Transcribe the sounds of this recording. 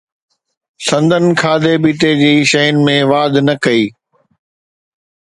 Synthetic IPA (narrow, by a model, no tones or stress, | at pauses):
sɐ̃nd̪ʱənkʰaːd̪ebiːt̪ed͡ʑiːʃɐɦənɪ̆mẽʋaːd̪nɐkɐiː